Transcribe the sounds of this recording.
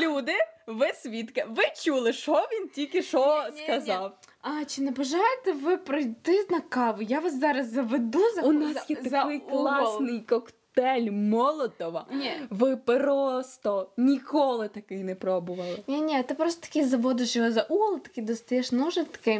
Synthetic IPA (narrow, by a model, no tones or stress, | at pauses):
lʲud̪ɪʋɪsʲʋʲit̪kɐʋɪt͡ʃulˠɪʃɔʋʲintʲilʲkɪʃɔskɐzɑw | ɐt͡ʃɪnɛbɐʒɑjet̪ɛʋɪpɾɔjt̪ɪnɐkɑʋʊjaʋɑszɑɾɐsːɐʋed̪uzɐʊnasjɛtɐkzɐjklˠɑssnɪjkɔktt̪ɛlʲmɔlˠɔt̪ɔʋɐʋɪpɾɔst̪ɔnʲikɔlˠɪt̪ɐkɪjnɛpɾɔbʊʋɐlˠɪnʲinʲit̪ɪpɾɔst̪ɔ̥t̪ɐ̥kʲizɐʋɔd̪ɪʃjɦɔzɐʔulˠɪt̪ɐ̥kʲid̪ɔst̪ɐjɛʃnɔʒɪt̪ɐ̥kɪ